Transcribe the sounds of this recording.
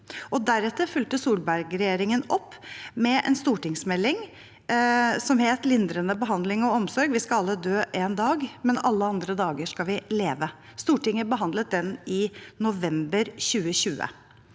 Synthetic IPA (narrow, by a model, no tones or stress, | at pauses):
ʔɔd̪æɾɛt̪ːəɾfʉlt̪əsuːlbæɾɡɾɛjeːɾɪŋənɔpːmɛʔɛ̰nst̪uːʈɪŋsmɛlːɪŋ | sɔmheːt̪lɪnd̪ɾənəbəɦɑnd̪lɪŋɔɔmsɔɾɡʋɪskɑɑlːəd̪øːʔeːnd̪ɑːɡmɛnɑlːəɑnd̪ɾəd̪ɑːɡəʂkɑlʋɪleːʋə | st̪uːʈɪŋəbəɦɑnd̪lət̪̚d̪ɛnɪnʊʋɛmbəɾɕʉːəɕʉːə̰